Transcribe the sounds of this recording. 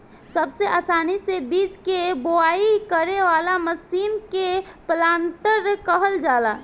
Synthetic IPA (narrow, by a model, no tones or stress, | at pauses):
səbseʔaːsaːnisebit͡ʃkeboaikəɾeʋalaməsiːnkeplant̪əɾkəɦəld͡ʒala